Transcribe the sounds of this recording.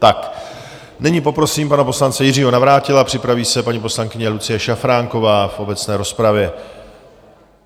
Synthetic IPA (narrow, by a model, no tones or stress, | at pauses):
t̪ak | nɪɲipo̞pɾo̞siːmpanapo̞slant͡sɛjɪr̝iːɦo̞navɾaːcɪlapr̥ɪpɾaviːsɛpaɲipo̞slaŋkɪɲɛlut͡sɪjɛʃafɾaːŋko̞vaːfʔo̞bɛt͡snɛːɾo̞spɾavjɛ